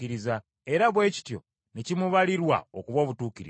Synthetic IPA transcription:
iɾiza | e̞ɾaβwe̞ːci̥tjo̞̰ | necimuβaliɾwa̰okuβo̞βutuːciɾḭ

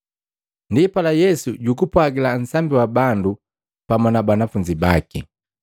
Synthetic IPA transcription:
ndipalajɛsuɟukupwaɡilan̩sambiwabandu | pamanabanafuɲd͡ʒibakḭ

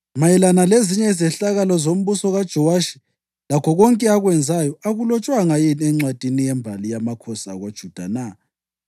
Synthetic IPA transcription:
majɛlanaleziɲɛizɛɬaɣalɔzom̩βusɔɣad̥ʒ̥ʱɔwaʃi̥ | lakʰɔɣɔŋkʼɛaɣwɛnd͡zʱajɔaɣulɔt͡ʃʼwaŋajinɛŋ͡ǀwad̥ʱinijɛmbʱalijamakʰɔsa̰ɣwad̥ʒ̥ʱud̥ʱa̰na

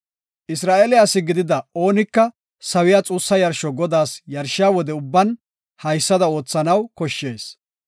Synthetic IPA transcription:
ʔɪsɾaːʔeːlɪjaːsːɪɡɪd̪ɪd̪ɐo̞ːnɪkːɐ | sɐwɪjaːt͡sʼuːsːɐjɐɾʃɔɡɔd̪aːsjɐɾʃɪjaːwɔd̪ɛʊbːɐn | hɐjsːɐd̪ɐo̞ːt͡sːɐnɐwkɔʃːeːs

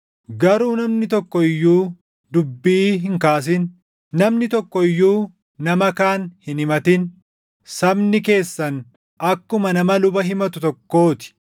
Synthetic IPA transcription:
ɡɐɾuːnɐmnɪt̪ɔkːɔɪjːuː | d̪ʊbːiːɦɪŋkaːs̬ɪn | nɐmnɪt̪ɔkːɔɪjːuː | nɐmɐkaːnhɪnɪmɐt̪ɪn | sɐbnɪke̞ːsːɐn | ɐkːʊmɐnɐmɐlʊbɐɦɪmɐt̪ʊt̪ɔkːo̞ːt̪ɪ̥

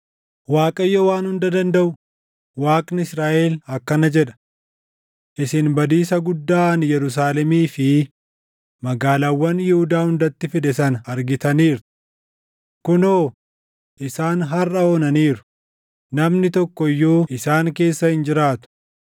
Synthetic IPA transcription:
waːkʼɐjːɔwaːnhʊnd̪ɐd̪ɐnd̪ɐʔʊ | waːkʼnɪɪsɾaːʔeːlɐkːɐnɐd͡ʒɛᶑɐ̥ | ʔɪsɪnbɐd̪iːsɐɡʊd̪ːaːnjɛɾʊs̬aːlɛmiːfɪ | mɐɡaːlaːwːɐnjɪhʊd̪aːhʊnd̪ɐt̪ːɪfɪd̪ɛsɐnɐɾɡɪt̪ɐniːɾ | kʊnoː | ʔɪsaːnɦɐrʔɐoːnɐniːɾʊ̥ | nɐmnɪt̪ɔkːɔɪjːuːʔɪsaːŋke̞ːsːɐhɪnd͡ʒɪɾaːt̪ʊ̥

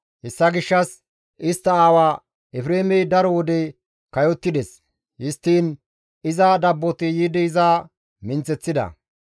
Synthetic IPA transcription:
hɛsːɐɡɪʃːɐs | ʔɪst̪ːɐaːwaː | ɛfɾeːmɛjd̪ɐɾɔwɔd̪ɛ | kɐjɔt̪ːɪd̪ɛs | hɪst̪ːiːn | ɪzɐd̪ɐbːɔt̪ɪjid̪ɛɪzaː | mɪnt͡sɛt͡sːɪd̪ɐ̰

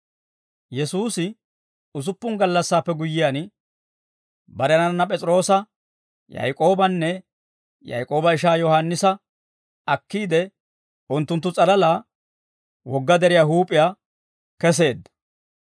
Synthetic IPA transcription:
jɛsuːsɪ | ʊs̬ʊpːʊŋɡɐlːɐsːaːpːɛɡʊjːɪjaːn | bɐɾɛnɐnːɐpʼɛt͡sʼɾo̞ːsɐ | jɐ̰jkʼo̞ːbɐnːɛ | jɐ̰jkʼo̞ːbɐɪʃaːjɔhanːɪsɐ | ɐkːiːd̪ɛ | ʊnt̪ːʊnt̪ːʊt͡sʼɐlɐlaː | wɔɡːɐd̪ɛɾɪjaːɦuːpʼɪjaː | kɛs̬e̞ːd̪ːɐ̥

